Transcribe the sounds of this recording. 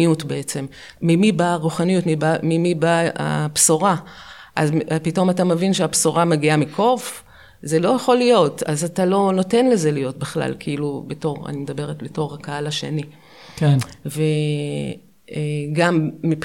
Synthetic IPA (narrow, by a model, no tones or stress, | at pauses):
ijutbeet͡se̞mː | imibaʁuχanijutmibamimibaa̰psoʁaʔazpito̞matamevinʃeapsoʁamaɡiamikʰo̞v | ze̞lo̞jaχo̞lijo̞tazatalo̞no̞te̞nle̞ze̞lijo̞t̚biχla̰lkʰeilubeto̞ʁa̰nimed̪abe̞ʁetbeto̞ʁhakaalaʃḛni | kve | eɡamːip